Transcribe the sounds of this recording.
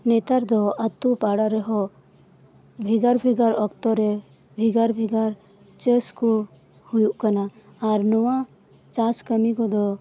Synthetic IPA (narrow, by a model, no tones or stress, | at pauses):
net̪aɾd̪ɔət̪ːupaɽaɾɛɦɔ | bʱiɡaɾbʱiɡaɾɔkt̪ɔɾɛ | bʱiɡaɾbʱiɡaɾ | t͡ʃəsku | hujuʔkənaː | ɾnɔwã | t͡ʃaskəmikɔd̪ɔ